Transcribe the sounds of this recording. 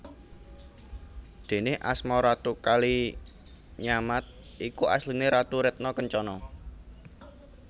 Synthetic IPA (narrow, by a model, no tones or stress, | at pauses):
d̪̥e̤neʔa̰smɔɾat̪ukali | ɲamat̪̚ | ʔikuʔa̰slineɾat̪uɾɛt̪̚nɔkəɲt͡ʃɔnɔ